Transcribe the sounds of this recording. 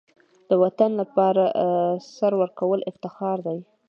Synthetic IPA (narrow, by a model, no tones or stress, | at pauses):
d̪̥əwat̪anlapɑɾasaɾwəɾkawəlɪft̪ɪxɑɾd̪aj